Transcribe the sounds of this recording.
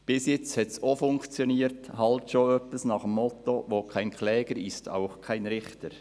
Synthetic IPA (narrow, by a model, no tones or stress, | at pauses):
b̥ɪsjɪt͡shɛtsofʊŋkt͡sjoniːəɾthɑltʃoːœpəsnɑχəmːɔt̪oʋoːkʰaɪnkʰlɛːɡ̥əɾɪstʰa̰ʊxkʰaɪnɾɪχtəɾ